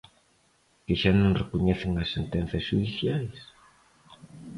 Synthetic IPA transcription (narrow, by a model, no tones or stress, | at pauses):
keʃanõŋrekuɲɛθɪŋɐsːent̪ɛnθɐsʃuðiθjajs